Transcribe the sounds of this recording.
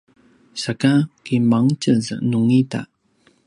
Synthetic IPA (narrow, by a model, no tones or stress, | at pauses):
sakakimaŋt͡ɕəzə̰nuŋita̰